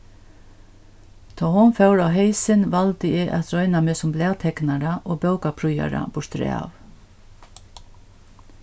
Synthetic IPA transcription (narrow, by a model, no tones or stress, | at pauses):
t̪ʰɔːhʊnfɛwɾawɦejsɪnʋalt̪ɪɪʔa̰t̪ɾɔʏnamɪːsʊmblɛːt̪ʰɛknaɾaʔɔːbœwkapʰɾʊja̰ɾa̰bʊʂt̪ɾɛ̰ːa̰v